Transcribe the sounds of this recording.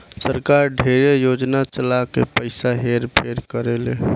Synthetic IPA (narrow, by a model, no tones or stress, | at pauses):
səɾkaɾɖʱeɾejod͡ʒnat͡ʃəlakḛpəɪsaɦeɾpʰeɾkəɾele